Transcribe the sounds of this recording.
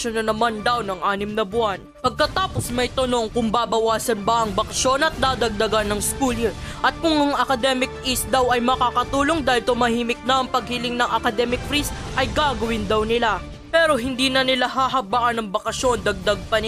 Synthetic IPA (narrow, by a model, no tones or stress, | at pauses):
onɐnɐmand̪awnɐŋʔaːnɪmnɐbʊanpɐɡ̚kɐt̪aːpo̞smɐjt̪ɐno̞ŋkʊŋbaːbɐwaːsɐnbɐʔɐŋbɐkɐʃo̞nɐt̪̚d̪aːd̪ɐɡ̚d̪ɐɡanːɐŋskulɪʔɐt̪̚kʊŋɐŋɐkɐd̪ɛmɪk̚ʔist̪̚d̪awɐjmɐkaːkɐt̪uːloŋd̪aːhɪlt̪ʊmɐhiːmɪk̚nɐɐŋpɐɡ̚hɪlɪŋnɐŋɐkɐd̪ɛmɪk̚fɾisʔɐjɡaːɡɐwɪnd̪awnɪla | pɛːɾo̞ɦɪnd̪iːnɐnɪlaɦaɦɐbaʔɐnɐŋbɐkɐʃjo̞nd̪ɐɡ̚d̪aɡ̚pɐnɪ